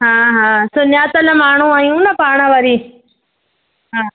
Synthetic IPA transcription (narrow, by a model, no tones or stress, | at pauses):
ɦãːɦãːsʊnjaːt̪ɐlɐmaːɳ̤ũaːijũnɐpaːɳ̃əʋaɾiː | ɦãː